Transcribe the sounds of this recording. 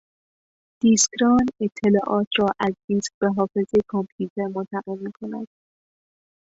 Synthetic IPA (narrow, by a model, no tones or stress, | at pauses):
d̪̥iskɾɒːne̞t̪ʰːe̞lɒːʔɒːt̪ʰɾɒːʔæziːnskb̥e̞ɦɒːfe̞zekʰɑmpʰjuːt̪ʰeɾmont̪ʰæɣe̞lmiːkʰo̞næ̰d̪̥